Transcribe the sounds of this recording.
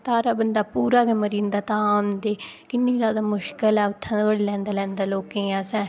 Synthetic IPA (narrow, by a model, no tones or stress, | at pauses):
t̪aːɾaːbənd̪aːpuːɾaːkeːməɾiːnd̪aːt̪ãːmd̪eːkɪnːĩːzjaːd̪aːmʊʃkəlɛːʊt̪ʰːãəɽlɛ̃ːnd̪aːlɛ̃ːnd̪aːloːkẽːɛ̃ːsɛ̃ː